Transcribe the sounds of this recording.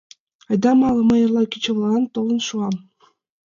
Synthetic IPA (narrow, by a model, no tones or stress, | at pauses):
ɑjd̪ɑmɑlˠɤ̆mɤ̆jɤ̆rlˠɑkʲit͡ɕɤ̆ʋlˠɤɑnt̪olˠɤ̆nʃuɑm